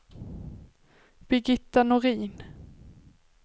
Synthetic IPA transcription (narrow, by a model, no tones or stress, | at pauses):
b̥ɪɡɪt̪ːanʊɾiːn